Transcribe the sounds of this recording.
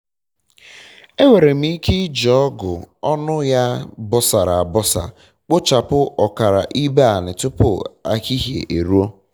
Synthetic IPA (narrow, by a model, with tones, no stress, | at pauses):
e˦we˨ɾe˨m̩i˦ki˦d͡ʒɔɔ˦ɡʊ̰˨ɔ˦nʊ˦ja˦bɔ˦sa˨ɾa˨a˨bɔ˦sa̰˨ | k͡po˦t͡ʃa˨pʊ˦ɔ˨ka˨ɾa̰˨ʔi˦be˦a˨nɪ˨tʊ˦pʊ̰˦˨a̰˨ki˦ɦjḛ˨ʔe˨ɾu˦o˦